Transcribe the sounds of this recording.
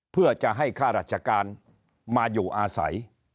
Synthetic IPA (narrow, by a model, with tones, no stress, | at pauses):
pʰɯ˥˩ɐt͡ɕa˨˩ʔɦa˥˩jkʰaː˥˩ɾaː˧˩t̪̚t͡ɕʰa˧kaː˧n | maː˧juː˨˩ʔaː˧sa̰˩˦j